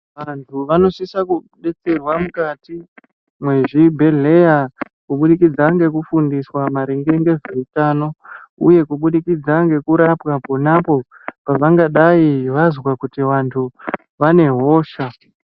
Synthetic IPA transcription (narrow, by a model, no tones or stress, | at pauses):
ʋantʰuʋano̞sisakuɗe̞t͡se̞rwamukati | mwe̞ʐibʱe̞ɮe̞ja | kuɓuɗikid͡zaŋɡe̞kufundiswamaɾiŋɡe̞ŋɡe̞zoitano̞ṵje̞kuɓuɗikid͡zaŋɡe̞kuɾapwapo̞napo̞ | paʋaŋɡaɗaiʋazwakutiʋantʰu | ʋane̞ɦo̞ːʃa